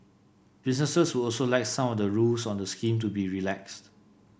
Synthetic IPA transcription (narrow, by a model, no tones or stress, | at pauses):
b̥is̬nəsəswuɔlsolaɪksãmɔfdəɹulsɔ̃ndəskĩmtubiɹilɛkst